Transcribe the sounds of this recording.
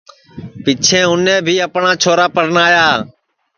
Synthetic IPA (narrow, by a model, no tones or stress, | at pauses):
pɪt͡ʃʰẽːʊnẽːbʱiːəpɳaːt͡ʃʰoːɾaːpəɾnaːjaː